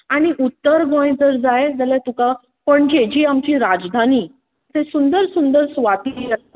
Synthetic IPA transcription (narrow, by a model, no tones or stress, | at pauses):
aɽ̃iʔut̪ːəɾɡõj̃d͡zəɾd͡zajed͡zaljat̪uka | pəɳd͡ʑed͡ʑiːamt͡ɕiːɾad͡zd̪ʱaniː | t̪ẽsund̪əɾsund̪əɾsʋat̪iliːəst̪a